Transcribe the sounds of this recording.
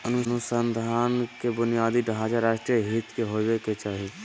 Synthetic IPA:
ənunusənd̪ʱankebʊnijaːd̪iɖad͡ʒaɾaʃʈɾijəɦit̪keɦobeket͡ʃaːɦi

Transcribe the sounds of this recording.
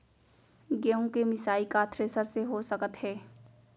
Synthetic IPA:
ɡeõkemɪsaːikat̪ʰɾesəɾseɦosəkət̪ɦɛː

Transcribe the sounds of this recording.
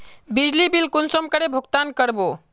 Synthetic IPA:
bid͡ʒlibilkunsɔmkəɾebʱukt̪ankəɾbo

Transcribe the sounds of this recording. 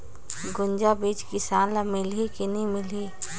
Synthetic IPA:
ɡʊnd͡ʒabiːd͡ʒkɪsaːlamɪlikinimɪliː

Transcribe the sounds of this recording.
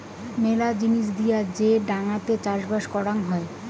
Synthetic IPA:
melad͡ʑiniʃd̪ijad͡ʑeɖaŋat̪et͡ɕaɾʃbaʃkɔɽaŋɦɔe

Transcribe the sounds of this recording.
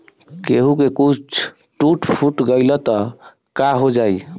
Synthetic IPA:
keɦukekut͡ʃʰ | ʈuʈpʰuʈɡəjlɔt̪ɔ | kaɦod͡ʒaj

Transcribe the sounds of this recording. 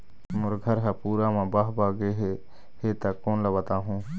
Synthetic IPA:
mʊɾɡʱəɾɦapuːɾamãbaːɦbaːɡeɦe | het̪akːoːnləbət̪aːɦũː

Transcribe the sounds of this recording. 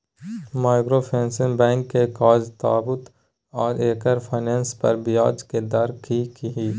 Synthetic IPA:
maːɪkɾopʰɛ̃ːnsɪ̃ŋbɛ̃ːŋkːekaːd͡ʒt̪aːbʊt̪ | ɔːɾeːkəɾpʰaːɪnɛ̃ːnspɐ̰ɾbɪjaːd͡ʒked̪ɐɾkikiɦiː

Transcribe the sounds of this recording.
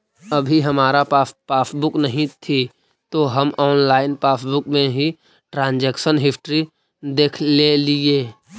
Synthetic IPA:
ɐbʱiɦɐmaːɾapːpaːsbʊknɐɦĩt̪ʰi | t̪oɦɐmʔɔːnlaːɪnpaːsbʊkmẽɦi | ʈɾãːnd͡ʒeːkʃənɦɪsʈɾi | d̪eːkʰlelieː

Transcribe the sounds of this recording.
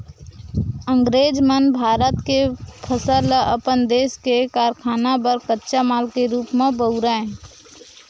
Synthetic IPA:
ə̃ŋɡɾeːd͡ʒmənbʱaːɾət̪kepʰəsələpənd̪eːskekaːɾkʰaːnabəɾkətːʃamaːlkeɾuːpmẽbəuɾã

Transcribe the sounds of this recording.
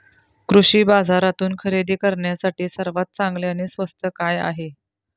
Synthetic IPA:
kɾuʂiːbad͡zaɾat̪uːnkʰəɾed̪ʱiːkəɾɳjasaʈiːsəɾʋat̪̚t͡saŋɡleañeːsʋəst̪ʰəkaja̰ɦe

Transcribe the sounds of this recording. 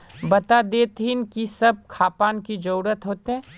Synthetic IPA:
bɐt̪ad̪eːt̪ɦinkisɐb̚kʰaːpaːnkid͡ʒɐɾuːɾət̪ɦoːt̪eɦɛ̃ː

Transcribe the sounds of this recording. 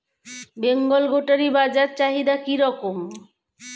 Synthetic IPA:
beŋɡolɡoʈaɾibad͡ʑaɾt͡ɕaɦid̪akiɾɔkom

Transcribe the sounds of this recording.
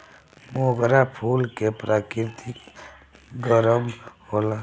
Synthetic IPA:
moɡɾapʰulkepɾʔakɪɾt̪ʰik | ɡəɾəmhola

